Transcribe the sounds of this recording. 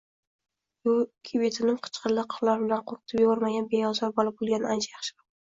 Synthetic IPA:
bʊkʲʰebet̪ʰɪnɪmqʰɨ̥t͡ʃqʰɨllɪqʰə̥χlˠaɾbɪlanqʰoɾq̚t̪ʰɪpjebɒɾmaɡʲanbeɒzɒɾbɒlˠɪp̚bolˠɡʲanant͡ʃʰajɑχʃɪɾɪ

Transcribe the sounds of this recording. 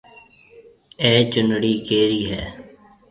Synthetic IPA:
eːt͡ʃʊnɽiːkeːɾiːɦɛ̰ː

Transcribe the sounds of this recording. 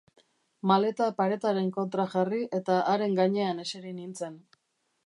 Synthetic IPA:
male̞t̪apaɾe̞t̪aɾe̞ŋko̞nt̪ɾaʝariʔe̞t̪aʔːɾe̞ŋɡaɲe̞ane̞seɾinint͡se̞n

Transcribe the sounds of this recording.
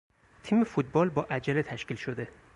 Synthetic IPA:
t̪ʰiːmefut̪̚bɒːlbɒːʔæd͡ʒælet̪ʰæʃciːlʃod̪e̞

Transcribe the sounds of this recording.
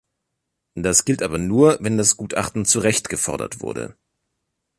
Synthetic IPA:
d̥asɡ̥ɪltʔaːbɐnuːɐvɛndasɡ̥uːtʰʔa̰χtn̩t͡suʁɛçtɡ̥əfɔɐdɐ̰tv̥ʊ̰ɐdə̰

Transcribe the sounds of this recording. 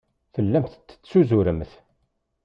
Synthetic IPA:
fəlːæmθət͡sːə̥t͡sːsuzuɾəmθ

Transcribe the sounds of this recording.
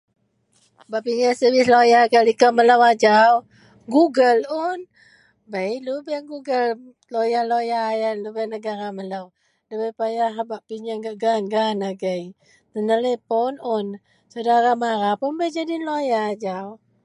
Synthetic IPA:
baʔpiɲəsəwɪslojakalikaməlawad͡ʒaw | ɡuɡəlʊn | bəjlubaŋɡuɡəl | lojalojaːjalubanəɡaɾamələw | ləbajpajaɦabaʔpiɲaŋɡaʔɡanɡanaɡəj | t̪ənəlepɔnʊn | sədaɾamaɾapunbəjd͡ʒadinlojaːd͡ʒaw

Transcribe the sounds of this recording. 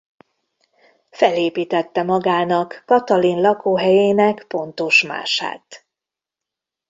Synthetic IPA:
fɛleːpiːt̪ɛt̪ːɛmɒɡaːnɒkːɒt̪ɒlinlɒkoːɦɛjeːnɛkpo̞nt̪oʃma̰ːʃa̰ːt̪

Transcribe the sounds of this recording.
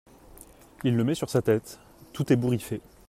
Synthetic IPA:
ilːəmɛsyʁsat̪ɛt̪ː | ut̪ɛbuʁife

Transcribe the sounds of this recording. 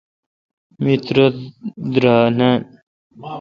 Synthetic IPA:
mit̪ɾod̪ɾaːnan

